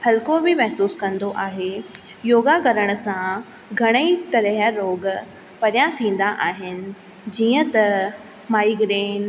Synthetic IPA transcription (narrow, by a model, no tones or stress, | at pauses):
pʰɐlkobɪmɛɦsuːskɐ̃nd̪oʔaːɦe | joːɡaɡɐɾəɽ̃ʊ̆sã | ɡʱɐɽ̃əit̪ɐɾəɦəɾoːɡ | pɐɾjãt̪ʰĩːn̆d̪aʔaːɦɪnɪ̆ | d͡ʑiːə̃t̪ɐ | maːiɡɾeːn